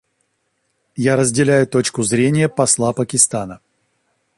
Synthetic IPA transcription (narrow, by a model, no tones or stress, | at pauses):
jaɾəzʲdʲɪlʲæjʊt̪ot͡ɕkʊzɾʲenʲɪjəpɐslˠapəkʲɪst̪anə